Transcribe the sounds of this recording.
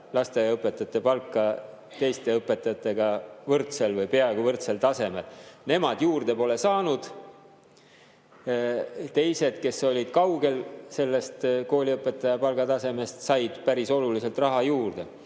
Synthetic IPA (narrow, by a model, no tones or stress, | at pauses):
lɑst̪ejɑɤpːˑe̞t̪ːˑɑt̪ːˑe̞pɑlkːˑɑ | t̪e̞jst̪e̞ɤpːˑe̞t̪ːˑɑjɑt̪ːˑe̞ɡ̥ɑvɤrt̪se̞lvɯjpe̞ɑeɡ̥ɑvɤrt̪se̞lt̪ɑse̞me̞lne̞mɑd̪̥juːrd̪e̞po̞le̞sɑːnud̪̥ | t̪e̞jse̞d̪̥ke̞so̞lʲid̪̥kɑwɡ̥e̞lse̞lːe̞st̪ko̞ːlʲiɤpːˑe̞t̪ːˑɑjɑpɑlɡɑt̪ɑse̞me̞st̪sɑjd̪̥pæɾiso̞lulise̞lt̪rɑɦɑjuːrd̪̥e̞̰